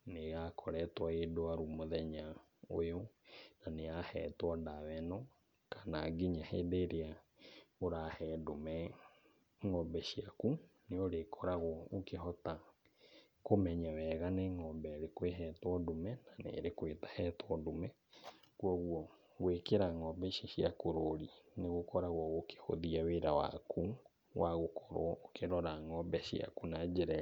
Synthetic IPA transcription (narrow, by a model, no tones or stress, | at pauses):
neɣakʰɔɾɛtwaedoaɾumoðɛɲa | ojonaneahɛːtwɔdawɛnɔ | kḁnaɡiɲahedeɾea | oɾahɛdomɛ | ŋɔmbɛʃiakuneoɾekʰɔɾaɣɔokeɦɔta | komɛɲawɛɣaneŋɔmbɛɾekweɦɛt̪wɔdomɛnanḛɾekwet̪ḁhɛt̪wɔdomɛ | kuɔɣwɔ | ɣwekeɾaŋɔbɛʃiʃiakoɾoɾineɣokʰɔɾaɣɔɣokʰe̥ho̰ðiaweɾawa̰kʰu | waɣokʰɔ̥ɾwɔʔokeɾɔɾaŋɔbɛʃia̰kunad͡ʒeɾɛ